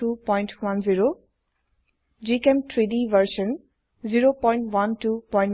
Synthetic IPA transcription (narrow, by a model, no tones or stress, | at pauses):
upɔjnʈwanziɹo | d͡ʒikemtʰɹidiʋʱəɹʃə̃n | ziɹopɔ̃jnʈwantupɔjn